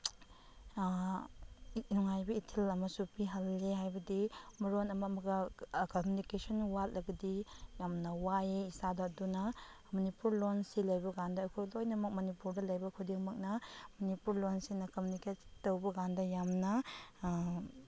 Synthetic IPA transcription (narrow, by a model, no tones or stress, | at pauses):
nuŋajbɐitʰilɐmɐsupiɦɐlːeɦajbɐdimɐɾonɐmɐmɐɡɐkomjunikesɔnwat̚lɐɡɐdijamnɐwajeisadɐdunɐ | mɐnipuɾlonsilɐjbɐɡandɐːkʰujlojnɐmɐk̚mɐnipuɾdɐlɐjbɐkʰudiŋmɐk̚nɐmɐnipuɾlonsinɐkɐmjunikestowbɐɡandɐjamnɐ